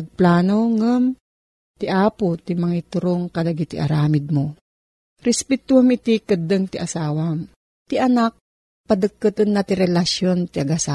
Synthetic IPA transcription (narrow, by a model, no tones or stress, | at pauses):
ɐɡ̚plaːnoŋəm | t̪iʔaːpot̪imɐŋit̪ʊɾoŋkɐlɐɡit̪iʔɐ̰ɾaːmɪd̪̚mo | ɾɛspɛt̪uhamit̪ikəd̪əŋt̪iʔɐsaːwam | t̪iʔɐnak̚ | pɐd̪əkːɨt̪ɨnːat̪iɾɛlasjont̪iɐɡasa